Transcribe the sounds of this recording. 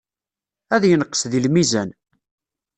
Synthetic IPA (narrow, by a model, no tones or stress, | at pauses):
æðjənəqːə̥sðilmizæn